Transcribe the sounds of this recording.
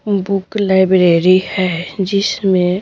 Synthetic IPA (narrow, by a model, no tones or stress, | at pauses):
bʊklaɪbɾeːɾihɛd͡ʒɪsmẽ